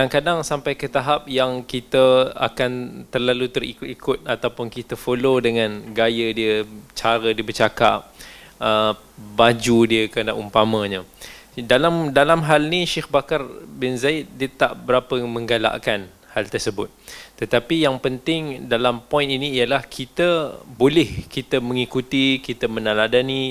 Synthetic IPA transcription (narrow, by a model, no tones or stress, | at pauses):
daŋkadaŋsampajkət̪aɦap̚jaŋkit̪əa̰kant̪ərlalut̪ərḭkikʰʊt̪̚at̪awpʊnkit̪əfolodəŋãnɡajədiət͡ʃaɾədiəbət͡ʃaka̰p̚ə | bad͡ʒudiəkna̰ʔumpamə̃ɲədalamdalamɦalniʃexbakarbɪnzaɪt̪̚diət̪a̰ʔbəɾapəmə̃ŋɡala̰ʔkan | halt̪ərsəbʊ̰t̪̚t̪ːət̪apijaŋpənt̪ɪŋdalampɔjɪ̃niniːjəlahkʰit̪əbolɪhkit̪əmə̃ŋikut̪ikit̪əmənãladani